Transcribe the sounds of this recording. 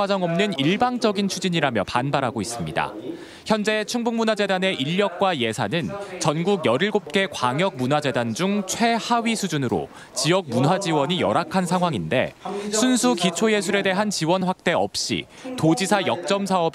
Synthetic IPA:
ad͡ʑʌŋʌmnɯniɭbaŋd͡ʑʌɡint͡ɕʰud͡ʑiɲiɾamjʌpanbaɾɦaɡois͈ɯmɲida̰ | çjʌnd͡ʑe̞t͡ɕʰuŋbuŋmunwad͡ʑe̞dane̞ʔiʎːʌk̚k͈waje̞sʰanɯnt͡ɕʌnɡuɡjʌɾiɭɡop̚k͈e̞kwaŋjʌk̚munɦwad͡ʑe̞dand͡ʑuŋt͡ɕʰwe̞haɥisʰud͡ʑunɯɾo̰ | t͡ɕiʌk̚munɦwad͡ʑiwʌɲijʌɾakʰansʰaŋɦwaŋinde̞̰sʰunsʰukit͡ɕʰoje̞s̬ʰuɾe̞de̞ɦant͡ɕiwʌnɸwak̚t͈e̞ʌ̰p̚ɕ͈ḭ | tod͡ʑisʰajʌk̚t͡ɕ͈ʌmsʰaʌb

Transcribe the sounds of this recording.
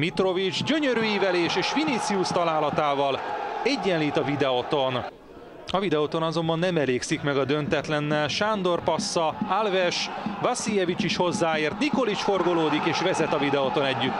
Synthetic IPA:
mit̪ro̞vid͡ʒɟø̞ɲøɾyːivɛleːʃeːʃfinit̪siust̪ɒlaːlɒt̪aːvɒlɛɟːɛnliːt̪ɒvid̪ɛot̪o̞n | ɒvid̪ɛot̪o̞nɒzo̞mbɒnːɛmɛleːksikmɛɡɒd̪ønt̪ɛt̪lɛnːɛlʃand̪o̞rpɒsːɒalvɛʃvɒsijɛvit͡ʃiʃho̞zːaːeːrt̪niko̞lit͡ʃfo̞rɡo̞loːd̪ikeːʃvɛzɛt̪ɒvid̪ɛot̪o̞nɛɟːyt̪ː

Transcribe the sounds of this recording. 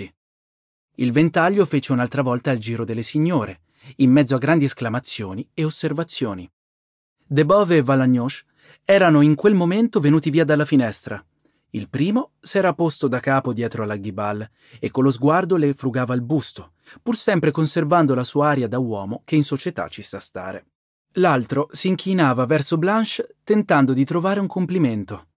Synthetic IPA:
ilvent̪aʎːofeːt͡ʃeunalt̪ɾavɔlt̪aild͡ʒiːɾod̪elːesiɲːoːɾe | imːɛd̪zoaɡːɾand̪iesklamat̪sːjoːnieosːervat̪sːjoːni | d̪ebɔveevːalaɲːɔʃ | ɛːɾanoiŋkwelmoment̪ovenuːt̪iviːad̪alːafinɛst̪ɾa | ilpɾiːmo | sɛːɾapost̪od̪akːaːpod̪jɛːt̪ɾoalaɡibalː | ekːonlːozɡward̪olefɾuɡaːvailbust̪o | pursɛmpɾekonservand̪olasuːaaːɾjad̪awɔːmok̟einsot͡ʃet̪a̰t͡ʃːisast̪a̰ːɾḛ | lalt̪ɾosiːŋkʰinaːvavɛrsoblanʃt̪ent̪and̪od̪it̪ɾovaːɾeuŋkompliment̪o

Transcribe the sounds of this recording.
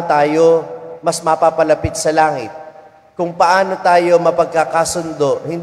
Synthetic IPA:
t̪aːjomɐsmɐpapɐlɐpɪt̪̚sɐlaːŋɪt̪̚ | kʊŋpɐʔaːno̞t̪aːjo̞mɐpɐɡ̚kɐkasʊnd̪o̞ʔhɪnd̪

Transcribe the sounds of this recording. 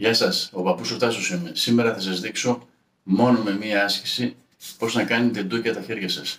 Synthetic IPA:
ʝɐsɐso̞pɐpusot̪ɐsosimesime̞ɾɐθɐsɐzðikso̞ | mo̞no̞me̞miɐɐsçi̥si | po̞znɐkɐnit̪e̞d̪ucɐt̪ɐçe̞ɾʝɐsɐs

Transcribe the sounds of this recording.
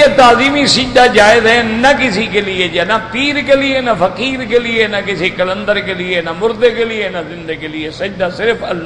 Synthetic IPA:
eːt̪aːziːmiːsɪd͡ʒd̪aːd͡ʒaːɪzɦɛnəkɪsiːkeːlɪed͡ʒaːnap̪iːɾkeːlɪeːnapʰəkiːɾkelɪeːnakɪsiːkələnd̪əɾkeːlɪeːnamʊɾd̪eːkelɪjeːnazɪnd̪eːkelɪesəd͡ʒd̪aːsɪɾpʰəlː

